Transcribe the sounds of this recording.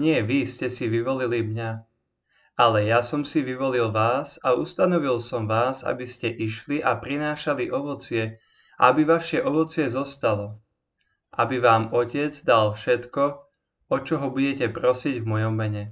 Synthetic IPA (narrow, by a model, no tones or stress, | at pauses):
ɲɪɛʋiscɛsiʋiʋɔlilimɲa | alɛjasɔmsiʋiʋɔlilʋaːsaust̪anɔʋilsɔmʋaːza̰biscɛʔiʃliʔapɾinaːʃaliʔɔʋɔt͡sɪɛ | abiʋaʃjɛʔɔʋɔt͡sɪɛzɔst̪alɔ | ʔabiʋaːmɔcɛd͡zd̪alfʃɛt̪kɔ | ɔt͡ʃɔɦɔbuɟɛcɛpɾɔsiɟvmɔjɔmːɛɲɛ